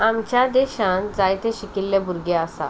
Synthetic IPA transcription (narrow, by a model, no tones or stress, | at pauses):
amt͡ɕjad̪eɕãnd͡zajt̪eɕikilːebuɾɡeasa̰